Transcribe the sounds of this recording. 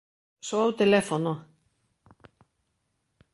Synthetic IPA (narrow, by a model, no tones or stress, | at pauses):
soawt̪elefono